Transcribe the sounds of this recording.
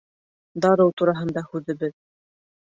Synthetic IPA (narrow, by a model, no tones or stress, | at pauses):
d̪ɑɾɤwt̪uɾɑɦɤ̆nd̪ɑhʉðɘ̆bɘð